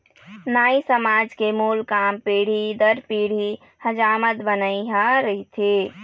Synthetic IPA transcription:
naːisəmaːd͡ʒkemulkaːmpeːɽ̤id̪əɾpiːɽ̤i | həd͡ʒaːmət̪bənəiɦaɾəit̪ʰe

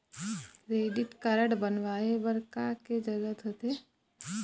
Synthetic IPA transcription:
ɾeːɖɪʈkɐɾəɽbənʋaːebəɾkaked͡ʒɐɡət̪ɦot̪e

